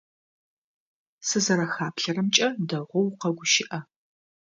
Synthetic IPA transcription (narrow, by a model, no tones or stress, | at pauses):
sɨzɐɾɐxaːpɬɐɾɐmt͡ʃʼɐdɐʁʷɔwqɐɡʷʊʃɪʔɐ